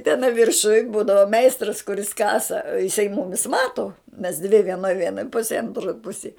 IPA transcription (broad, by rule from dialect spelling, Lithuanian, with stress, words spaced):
tʲɛˈnɐɪ ʋʲɪrˈʃʊj ˈbuːdɐʋoː ˈmʲɛɪstrɐs kʊˈrʲɪs ˈkɑːsɐ ɪˈsɐɪ ˈmʊmʲɪs ˈmɑːtoː mʲɛs dʲʋʲɪ ʋʲiɛˈnoːj ˈʋʲiɛnɐ ˈpʊsʲeːj ɐnˈtroːj ˈpʊsʲeːj